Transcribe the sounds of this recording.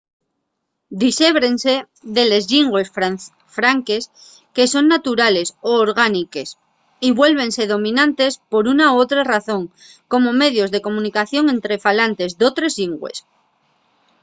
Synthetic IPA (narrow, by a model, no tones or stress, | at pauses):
d̪ise̞βɾe̞nse̞ | ðe̞le̞zʎiŋɡwe̞s | fɾaŋke̞s | ke̞so̞nːat̪uɾale̞soːɾɣ̞anike̞s | iβwe̞lβ̞e̞nse̞ðo̞mĩnãnt̪e̞spo̞ɾunaoot̪ɾaraθõ̞ŋ | ko̞mo̞me̞ðjo̞zðe̞ko̞mũnikaθjo̞ŋe̞nt̪ɾe̞falant̪e̞zðo̞t̪ɾe̞zʝiŋɡwḛs